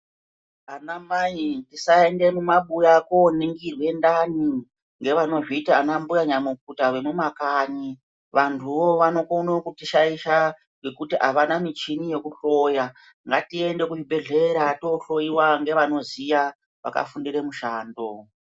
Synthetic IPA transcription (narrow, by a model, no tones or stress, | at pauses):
anamaintisaende̞mumaɓujako̞niŋɡirwe̞ndani | ŋɡe̞ʋano̞ʐitaanambujaɲamuk̚utawe̞mumakaɲi | ʋantʰuʋoʋano̞konokutiʃaiʃa | kwekutiʔaʋanamit͡ʃinije̞kuɬo̞ja | ŋɡatie̞nde̞kuʐibʱe̞ɮe̞ɾato̞ɬo̞jiwaŋɡe̞ʋano̞zija | ʋa̰ka̰fundire̞muʃaːndo